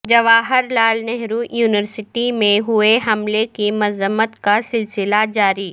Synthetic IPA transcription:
d͡ʒɐʋaːɦɪɾlaːlnɛɦɾujuːnɪʋəɾsɪʈimẽɦʊeɦɐmlekimɐzəmət̪kasɪlsɪlad͡ʒaːɾiː

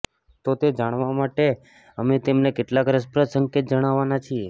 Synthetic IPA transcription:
t̪ot̪ed͡ʒaɽ̃ʋamaʈe | əmet̪emnekeʈlakɾəspɾəsəŋket̪̚d͡ʒəɽ̃aʋanat͡ʃʰie

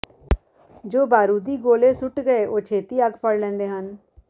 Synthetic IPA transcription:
d͡ʒoːbaːɾuːd̪iːɡoːleːsʊʈɡəeːʔoːt͡ʃʰeːt̪iːəɡpʰəɽlɛ̃ːnd̪eːɦən

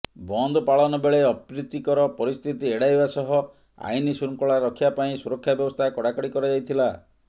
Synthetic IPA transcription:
bɔnd̪ʱɔpaɭɔnɔbeɭeɔpɾit̪ːikɔɾɔpɔɾist̪ʰit̪ieɽajbasɔɦɔ | a̰jnisuɾŋkɔɭaɾɔkʰibapaĩsuɾɔkʰːjabjɔbɔst̪ʰakɔɽakɔɽikɔɾɔd͡ʒajt̪ʰila

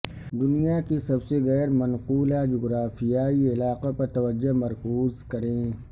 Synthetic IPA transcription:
d̪ʊnijakisɐbseɣɛːɾmɐnquːlad͡ʒʊɡɾaːfijaːiɪlaːqapɐɾt̪ɐʋəd͡ʒːomɐɾkuːzkɐɾẽː

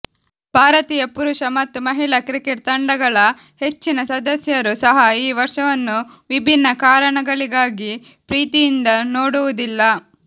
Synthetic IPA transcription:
bʱaːɾɐt̪iːjɐpuɾuʂɐmɐt̪ːumɐɦiɭɐkɾikeʈt̪ɐɳɖɐɡɐɭɐ | he̞t͡ʃːinɐsɐd̪ɐsjɐɾusɐɦɐiːʋɐɾʂɐʋɐnːu | ʋibʱinːɐkaːɾɐɳɐɡɐɭiɡaːɡi | pɾiːt̪ijind̪ɐnoːɽuʋud̪ilːɐ

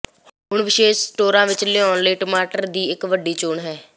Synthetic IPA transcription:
ɦʊɳʋɪʃeːʃsʈoːɾãːʋɪt͡ʃlɪɔ̃ːnləiːʈəmaːʈəɾd̪iːɪkʋəɖːiːt͡ʃʊɳɦɛː

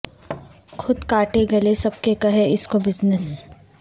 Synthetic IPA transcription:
xʰʊd̪kaːʈeɡɐlesɐb̚kekɐɦeɪskobɪznəs

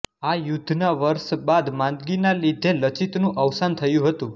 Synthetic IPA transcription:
ajud̪ʱnaʋəɾʃbad̪mãnd̪ɡinalid̪ʱelət͡ʃit̪nũʔəʋsant̪ʰəjũɦət̪ũ

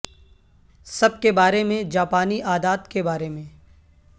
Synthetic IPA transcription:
sɐb̚kebaːɾemẽd͡ʒaːpaːniʔaːd̪aːt̪kebaːɾemẽː

